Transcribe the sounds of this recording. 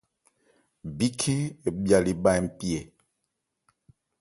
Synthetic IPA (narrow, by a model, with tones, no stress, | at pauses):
bi˦kʰe˦e˨bja˨li˨ɓa˦jm̩˦˨pi˦e˨